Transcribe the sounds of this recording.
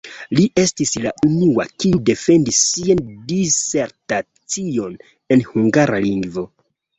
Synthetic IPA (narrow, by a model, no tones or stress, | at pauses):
liʔe̞stislaʔunuwa̰kiude̞fe̞ndisːiandise̞ɾta | t͡sio̞n | e̞nhuŋɡaɾaliŋɡvo̞